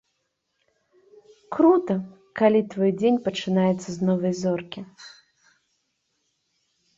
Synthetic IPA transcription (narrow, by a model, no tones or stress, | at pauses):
kɾut̪ɐ | kalʲit̪vɔjd͡zʲenʲpɐt͡ʂɨnajɛt̪sːɐznɔvɐjzɔrkʲi